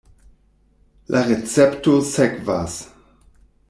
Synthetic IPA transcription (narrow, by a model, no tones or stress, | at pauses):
lʔaʁet͡sɛptosɛkvaːs